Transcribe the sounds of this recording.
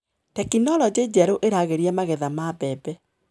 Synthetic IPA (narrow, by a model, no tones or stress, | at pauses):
tɛkinɔɾɔd͡ʑed͡ʒɛɾoʔeɾaɣeɾiɛmaɣɛðamaːbɛbɛ